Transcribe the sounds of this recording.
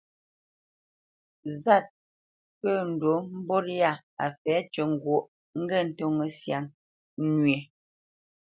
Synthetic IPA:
za˦˨t̚ | pə˦˨n̩˨do˨˦m̩˦bɔ˦ɾja˦˨ | a˨fɛː˨˦t͡ʃə˨ŋ̩˨ɡwo˨ʔ | ŋ̩˦ɡɛ˦˨n̩˨tɔ˦ŋə˨sja˨ŋ | nɥe˨

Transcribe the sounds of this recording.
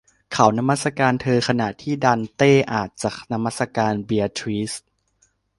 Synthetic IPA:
kʰa˨˩˦wna˧ma˥˩t̪sa˧kaː˧nt̪ʰɤː˧kʰa˧na˨˩ʔt̪ʰiː˥˩daː˧nt̪eː˥˩ʔaː˨˩t̪̚t͡ɕaː˨˩k̚na˧ma˦˥˩sa˧kaː˧nbi˧a˧t̪ʰɾi˦˥s̚

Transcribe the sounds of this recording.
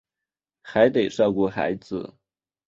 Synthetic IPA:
xa˧˥ɪt̪e˨˩ɪʂɑ˥˧ʊku˥˩xa̰˧˥ɪd͡zɹ̩˧˩

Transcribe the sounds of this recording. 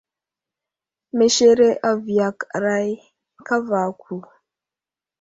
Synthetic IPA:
me˨ʃe˦ɾe˦ʔa˦˨vi˨ja˨kɾa˦j | ka˦va˨kʰʷu˨

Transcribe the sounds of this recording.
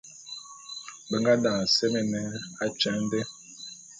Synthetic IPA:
bə˨ŋɡa˦dã˨sɛ˦mɛ˨nɛ˦a˦t͡ʃɛ˦n˦dɛ˦

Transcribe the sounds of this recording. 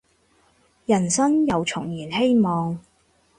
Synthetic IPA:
jɐ˨˩nsɐ˥ŋjɐ˨wt͡sʰʊ˨˩ŋjiː˨˩nhe˥jmɔː˨ŋ

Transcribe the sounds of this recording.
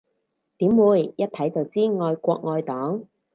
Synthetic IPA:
t̪iː˨˥mwuː˨˧jjɐ˥t̚t̪ʰɐ˨˥jt͡sɐ˨˩wt͡siː˥ŋɔː˧jkʷɔː˧k̚ŋɔː˧jt̪ɔː˨˥ŋ

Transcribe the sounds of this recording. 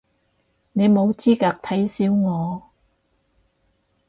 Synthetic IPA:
ne˨˧jmo˨˧wt͡siː˥kaː˧k̚t̪ʰɐ˨˥jsiː˨˥wŋɔː˨˧

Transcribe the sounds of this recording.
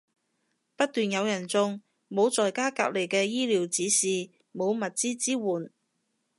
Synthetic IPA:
pɐ˥t̚t̪yː˨njɐ˨˧wjɐ˨˩nt͡sʊ˧ŋ | mo˨˧wt͡sɔː˨jkaː˥ka̰ː˧k̚le˨˩jkɛː˧jiː˥liː˨˥wt͡siː˨˥siː˨˩ | mo˨˧wmɐ˨t̚t͡siː˥t͡siː˥wuː˨˩n

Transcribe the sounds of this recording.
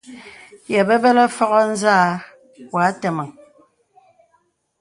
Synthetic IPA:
jɛ˨bɛ˦bɛ˦lɛ˦fɔ˦ɣɔ˦n̩˦zaː˦˨ | wa˨˦tɛ˨mə˨ŋ

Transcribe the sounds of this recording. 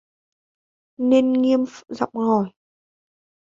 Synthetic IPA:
ne˧nŋi˧əmfzɔ̰˧˨wŋ͡mŋɔ˨˩j

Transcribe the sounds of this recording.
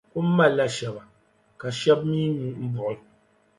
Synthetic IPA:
ku˦m̩˦ma˦la˦ʃɛ˨ba˨ | ka˨ʃɛ˦b̚mi˦nu˨m̩˦bɔ˨ʔɪ˨

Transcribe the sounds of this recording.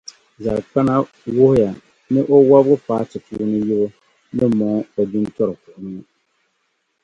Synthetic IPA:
za˨ɾɨ˨k͡pa˦na˦ | wʊ˦hʊ˦ja˨ | nɨ˦ʔo˦wa˦bɣɨ˦paː˨˦tɨ˨puː˦nɨ˦ji˦bʊ˦ | nɨ˦mɔ˨ŋ˦ba˨du˦ntɔ˦ɾɨ˨pʊ˨ʔʊ˨ni˦

